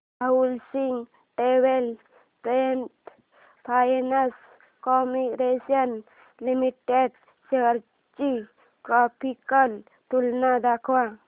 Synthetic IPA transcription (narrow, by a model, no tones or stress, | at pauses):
bʱaulsiŋɡ | ʈewel | pɾenʈ | pʰajnəs | kɔmiɾesən | limiʈeɖ | t͡ʃəɾ | t͡ʃi | tɾɔpʰikəl | t̪ulnad̪akʰwa